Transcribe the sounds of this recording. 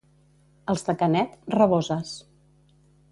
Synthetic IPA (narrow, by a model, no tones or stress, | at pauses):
əlˠzðəkənɛt̪rəβozəs